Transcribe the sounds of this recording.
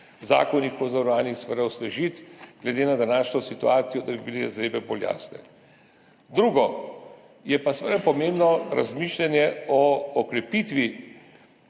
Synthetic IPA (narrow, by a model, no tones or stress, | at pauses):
za̰ːkɔnixɔzaɾaːnixsʋɛd̪awslɛʒit̪ɡ̥lɛd̪enad̪anaːʃnɔsit̪uaːt̪sijɔd̪abibileɛzɾeːbɛbolja̰ːsnɛ̰ | d̪ɾuɡɔ | jɛpasɛʋɛd̪apɔmembnɔɾa̰zmiːʃlʲanjɛɔɔkɾɛpit̪ʋi